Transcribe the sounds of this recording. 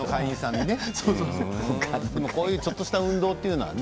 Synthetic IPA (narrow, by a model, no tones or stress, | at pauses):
okãĩĩsãɲːinesoːsoːsokad̪e̞moko̞ːjɯ̟ːt͡ɕo̞t̪ːo̞ɕi̥t̪aɯ̟̃nd̪o̞ːt̪ːeiɯ̟no̞βa̰n